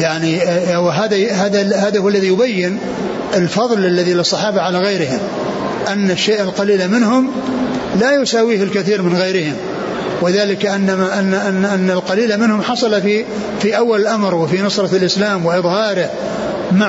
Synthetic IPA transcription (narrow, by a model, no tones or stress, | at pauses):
jaʕniwɦaːðahaːðahaːðahʊwalːaðijʊbajːɪn | ɪlfɑðˤlʔalːaðilɨsˤːɑħɑːbaʕalaɣajɾɪhɪm | ʔanːaʃːeːʔɪlqɑliːlamɪnɦʊm | lajʊsaːwiːhɪlkaθiːɾmɪnɣajɾɪhɪm | wɪðaːlɪkaʔɪnːamaʔanːaʔanːʔanːalqɑliːlamɪnhʊmħɑsˤɑlafi | fiʔawːalɪlʔamɾwɪfinɑsˤɾˤɑlʔɪslaːmwɪʔɨðˤhɑːɾɪ | ma